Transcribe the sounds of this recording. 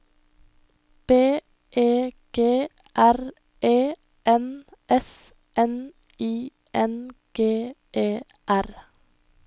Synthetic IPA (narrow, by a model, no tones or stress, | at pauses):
b̥eː | ʔeːɡ̥eː | ʔæɾ | ʔeː | ʔɛnʔɛs | ʔɛn | iː | ʔɛnɡ̥eːʔeː | ʔæɾ